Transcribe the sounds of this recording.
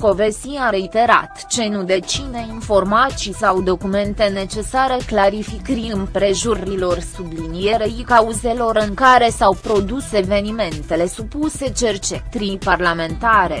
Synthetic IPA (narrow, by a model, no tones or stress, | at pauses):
ko̞vesiaɾe̞it̪e̞ɾa̰t̪t͡ʃe̞nud̪e̞t͡ʃine̞info̞rmat̪sisawd̪o̞kume̞nt̪e̞ne̞t͡ʃe̞saɾe̞klaɾifikɾiɨmpɾe̞ʒurilo̞rsublinije̞ɾeikauze̞lo̞ɾɨŋkaɾe̞sawpɾo̞d̪use̞ve̞nime̞nt̪e̞le̞supuse̞t͡ʃe̞rt͡ʃet̪ɾiparlame̞nt̪aɾe̞